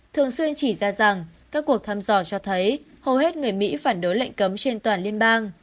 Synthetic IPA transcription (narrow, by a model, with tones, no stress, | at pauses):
t̪ʰɨ˨˩əŋswi˧ənt͡ɕi˧˩zaː˧za˨˩ŋkaː˦˥kːu˨˩ək̚t̪ʰaː˧mzɔ˧˩t͡ɕɔ˧t̪ʰə˨˦j | hə˨˩wɦe˦˥t̚ŋɨ˨˩əjmḭ˧˥faː˧˩nɗo˨˦jlə̰˧˨jŋ̟kə˨˦mt͡ɕe˧nt̪waː˨˩nli˧ənɓaː˧ŋ